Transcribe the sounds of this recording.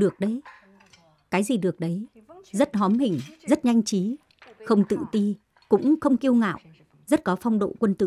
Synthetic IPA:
ɗɨ˨˩ək̚ɗə˨˦j | kaː˨˦jzi˨˩ɗɨ˨˩ək̚ɗə˨˦j | zə˦˥t̚ɦɔ˨˦mhï˨˩ŋ̟zə˦˥t̚ɲa˧jŋ̟t͡ɕi˨˦ | xə˧wŋ͡mt̪ɨ̰˧˨t̪i˧ | kʊ̰˧˥ŋ͡mxə˧wŋ͡mki˧əwŋa̰ː˧˨wʔ | zə˦˥t̚kɔ˨˦fa˧wŋ͡mɗo̰˧˨kwə˧nt̪ɨ̰˧˨

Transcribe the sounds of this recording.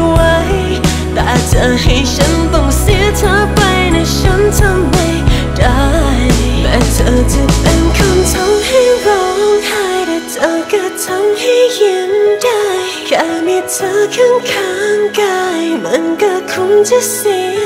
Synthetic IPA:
wa˦˥j | t̪a˧˩t͡ɕə˧ɦa˧˩jɕʰa˧˥nt̪ɔ˧˩ŋsi˧˥ət̪ʰəː˧˥pa˧jna˧jɕa˧˦˥ntʰa˧mːa˧j | da˧˩jmɛ˨˧˥tʰə˧˩tʰa˧˩t̪e˧nkʰa˧nt̪ʰa˧˥ŋha˥˧jɾa˧hʰaː˧˩jda˧tʰəː˧ka˧˩tʰa˧˥mha˧˩jhi˧nda˥˧j | kaː˧˥mi˧tʰəː˧˥kʰa˧˥ŋkʰa˧˦ŋka˧˩jmɨ˧˥nkɔː˧˩kʰʊ˧˥ntʰi˧˥si˧

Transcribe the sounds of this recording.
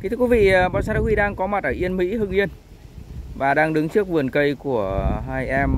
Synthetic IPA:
ki˧˦t̪ʰɨ˧kwi˨˦vḭ˧˨ɓaː˧˨wsa˧ta˧wi˧ɗaː˧ŋkɔ˨˦ma˨˩t̚ʔəː˧˩ʔi˧ənmḭ˧˥hɨ˧ŋʔi˧ən | vaː˨˩ɗaː˧ŋɗɨ˨˦ŋt͡ɕɨ˦˥ək̚vɨ˨˩ənkə˧jku˧˩əɦaː˧jʔɛ˧m

